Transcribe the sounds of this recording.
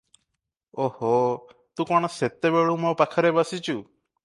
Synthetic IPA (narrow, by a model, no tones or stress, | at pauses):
ohɔ | t̪ũkɔɽ̃ɔset̪ebeɭumɔpakʰɔɾebasit͡ʃʰu